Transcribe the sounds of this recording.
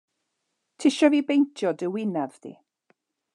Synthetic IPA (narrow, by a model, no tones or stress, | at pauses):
tʰɪʃɔvibejntʰjɔdəwɪnavðḭ